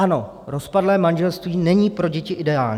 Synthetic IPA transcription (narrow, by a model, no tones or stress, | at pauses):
ano̞ | ɾo̞spadlɛːmanʒɛlst̪viːnɛɲiːpɾo̞ɟɛcɪʔɪdɛaːlɲː